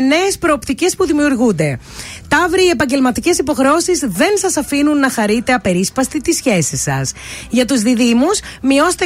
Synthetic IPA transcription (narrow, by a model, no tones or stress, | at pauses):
ne̞ːspɾo̞ːpt̪ice̞spuðimiuɾɣund̪e̞ | t̪ɐvɾiie̞pɐɲɟe̞lmɐt̪ice̞sipo̞xɾeo̞sizðe̞nsɐsɐfinunːɐxɐɾit̪e̞ɐpe̞ɾispɐst̪it̪isçe̞sisɐ̰sʝɐt̪uzðiðimusmio̞st̪